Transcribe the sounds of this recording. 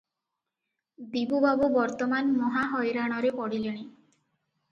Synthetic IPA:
d̪ibubabubɔɾt̪ɔmanmɔɦaɦɔjɾaɽ̃ɔɾepɔɽileɽ̃i

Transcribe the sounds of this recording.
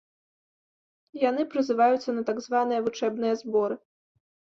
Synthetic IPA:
jan̪ɨpɾɨzɨvajut̪sʲːɐnɐt̪aɡzvanɨjɐvut͡ʂɛbn̪ɨjɐzbɔɾɨ

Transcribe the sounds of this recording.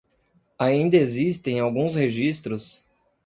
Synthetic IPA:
aĩnd̪ɐezist̪ẽj̃awɡũsheʒist̪ɾʊs

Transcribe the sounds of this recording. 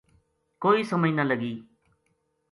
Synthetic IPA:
koːiːsəməiːnələɡiː

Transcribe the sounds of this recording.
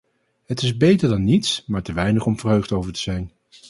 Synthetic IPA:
ɦətɪzbejtəɹdɑnːitsmaːɹtəʋɛjnəχɔmvrøɥχdəowvəɹtəzɛjn

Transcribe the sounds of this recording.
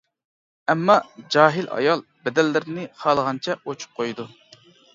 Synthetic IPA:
ɛmːɑd͡ʒɑːɦɪlɑ̰jɑlˠbɛd̪ɛlːɪɾɪnɪχɑlˠəʁɑnt͡ʃʰɛot͡ʃʰu̥p̚qʰojd̪u

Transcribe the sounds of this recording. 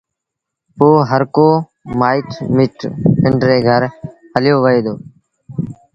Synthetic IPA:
poːɦəɾkoː | maːɪʈʰmiːʈɪnɳɖɾeːɡʱəɾɦəljoːʋəeːd̪oː

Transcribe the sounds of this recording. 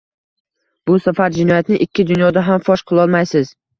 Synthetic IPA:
b̥ʊsafaɾd͡ʒɪnɒjat̪nɪʔɪkʲːɪd̪ʊnjɒd̪aɦamfɒʃqʰɨlˠɒlˠmajsɪz̥

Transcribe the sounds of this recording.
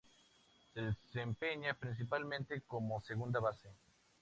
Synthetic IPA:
seðesempeɲapɾins̬ipalmẽnt̪ekomoseɣũnd̪aβase

